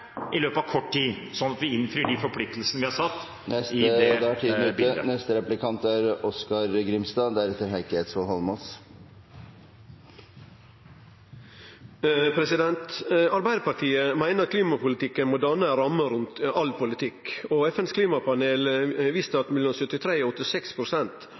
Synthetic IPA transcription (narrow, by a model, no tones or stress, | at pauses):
ʔɪløːpɑʋkʰɔʈʈiː | sɔnɑt̪ʋɪɪnfɾiːɖɪfɔɾpʰlɪk̚t̪l̩sənəʋɪhɑɾsɑt̪ː | nɛst̪ɛʈʰiːd̪ʉt̪ːənɛst̪əɾɛplɪkʰɑnt̪æɾɔskɑɾɡɾɪmst̪ɑːd̪æɾɛt̪əɾɦæɪkəet̪sʋɔlhɔlmɔs | pʰɾɛsɪd̪ɛnt̪ɑɾbæɪd̪əpɑɾʈ̪ʰiːəmæɪnəɾɑt̪kʰliːmɑpʊlɪt̪ɪkːənmoːd̪ɑnːəɾɑmːəɾʉnt̪ɑlpʰʊlɪt̪ʰɪkːɔɛfɛnskʰliːmɑpɑneːlʋist̪əɑt̪mɛlːɔmsʉt̪ːɪt̪ʰɾeːɔɔt̪ːɪsɛkspʰɾʊsɛnt̪